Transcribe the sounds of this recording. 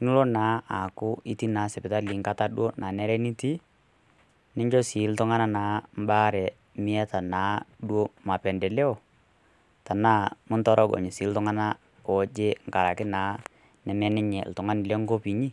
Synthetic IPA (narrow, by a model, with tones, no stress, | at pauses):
nu˦lo˦naː˨˦a˨kʊ˦i˦ti˦naː˨˦sɛ˨pɪ˨ta˦li˨˦ŋka˦ta˦ɗu˦o˦nʔaː˨nɛ˦ɾɛ˦ni˦ti˦ | nɪ˦ɲd͡ʒɔ˦si˨˦ltʊ˦ŋa˦na˦naː˨˦m˦baː˦ɾɛ˨ | mɪ˦ɛ˦ta˨naː˨˦ɗwo˦ma˨pɛ˨ndɛ˨lɛ˦ɔ˨ | ta˨naː˦˨mʊ˦ntɔ˦ɾɔ˦ɡɔ̰˨ɲɪ˨siː˨˦l̩˦tʊ˦ŋa˦na˦ | ɔ˨d͡ʒe˦ŋ̩˨ka˨ɾa˨kɪ˦naː˨˦ | nɛ˨mɛ˦nɪ˦ɲɛ̰˨ltʊ˨ŋa˦nɪ˨lɛ˦ŋɡo˦pi˨ɲi˦